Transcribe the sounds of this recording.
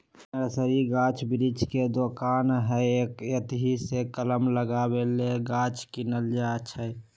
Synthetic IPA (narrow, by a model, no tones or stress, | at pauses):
ɾsəɾiɡãːt͡ʃʰbɾid͡ʒked̪oːkaːnɦɛeːkjət̪ɦisekələmləɡabeleɡãːt͡ʃkinəld͡ʒat͡ʃʰəɛ